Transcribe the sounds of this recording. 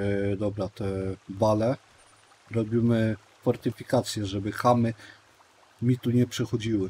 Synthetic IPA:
d̪ɔbɾat̪ɛbalɛ | ɾɔbʲimɘ | fɔɾt̪ɘfʲikat̪sʲjɛʐɛbɘxamɘ | mʲit̪uɲɛpʂɛxɔd͡ʑiwɘ

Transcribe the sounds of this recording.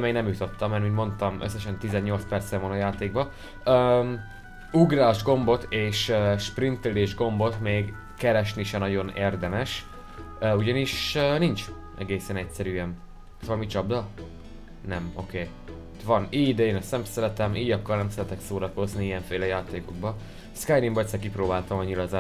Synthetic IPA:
meːɡnɛmjut̪o̞t̪ːɒmːɛɾminmo̞nt̪ɒmø̰sːɛʃɛnt̪izɛɲːo̞lt̪spɛrt̪sɛmonɒjaːt̪eːɡ̚bɒ | øːm | uɡraːʒɡo̞mbo̞t̪ʰeːʃøʃprint̪eleːʒɡo̞mbo̞t̪meːɡ | kɛɾɛʃniʃɛnɒɟo̞neːrd̪ɛmɛʃ | øuɟɒniʃøːnint͡ʃ | ʔɛ̰ɡeːsɛnɛcsɛɾyːɛn | soɒlmit͡ʃɒbd̪ɒ | nɛmo̞̰keː | t̪ʋɒniːɟd̪ɛeːnɛst̪ɛmsɛɾɛt̪ɛmiːɟɒkːɒrnɛmsɛɾɛt̪ɛksoːɾɒko̞zniijɛɱfeːlɛjaːt̪eːko̞ɡ̚bɒ | skajd̪imbɒsɛk̬ipɾoːbaːlt̪ɒmɒɲːilɒza

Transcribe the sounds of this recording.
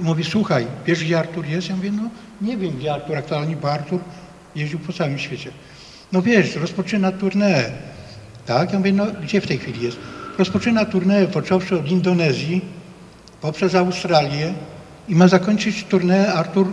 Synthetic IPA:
muvʲiswuxajvʲjɛʐɡd͡ʑɛaɾt̪uɾjɛst̪jamuvʲɛnɔ | ɲɛvʲjɛmɡd͡ʑɛaɾt̪uɾak̚t̪ualɲɛbɔaɾt̪uɾ | jeʑd͡ʑiwpɔt̪sawɘmɕfʲet͡ɕɛ | nɔvʲjɛʂɾɔspɔt͡ʂɘnat̪uɾnɛː | t̪akjamuvjɛnɔɡd͡ʑɛft̪ɛjxfʲilʲijɛst̪ɾɔspɔt͡ʂɘnat̪uɾnɛɛpɔt͡ʂɔwʂɘɔd̪ind̪ɔnɛzʲji | pɔpʂɛzawst̪ɾalʲjɛ | imazakɔɲʲt͡ʂɘt͡ɕt̪uɾnɛːaɾt̪uɾ

